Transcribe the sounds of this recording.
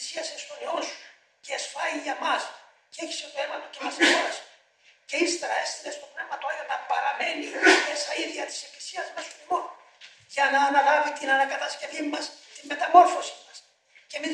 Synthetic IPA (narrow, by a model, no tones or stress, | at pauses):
siɐsest̪oneos | ceːsfɐjiʝɐmɐs | ceeçi̥set̪oemɐt̪ocemɐseoɾɐsi̥ | ce̞ist̪eɾɐe̞st̪ilest̪o̞pnevmɐt̪oɐonɐpɐɾɐme̞nime̞sɐiðʝɐt̪i̥se̞klisiɐzmesoimon | ʝɐnɐːnɐɣɐvit̪inɐnɐkɐt̪ɐsce̞vimɐst̪imme̞t̪ɐmo̞ɾfo̞simɐs | ce̞mi